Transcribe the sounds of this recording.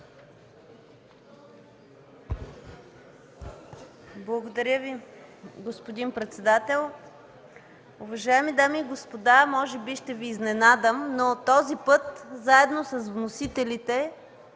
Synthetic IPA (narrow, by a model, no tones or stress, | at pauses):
blˠɐɡod̪ɐɾʲəviɡospod̪inpɾɛt̪sɛd̪at̪ɛlˠ | ʊvɐʒaɛmid̪amiːɡospod̪amɔʒɛbiʃt̪ɛviːznɛnad̪əmnot̪ɔzipɤt̪zaɛd̪nosɐsvnosit̪ɛlit̪ɛ